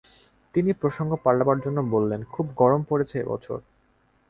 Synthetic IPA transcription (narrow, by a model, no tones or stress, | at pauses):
t̪inipɾoʃoŋɡopaɭabaɾd͡ʑonːobolːenkʰubɡɔɾompoɾet͡ɕʰeḛbɔ̰t͡ɕʰo̰ɾ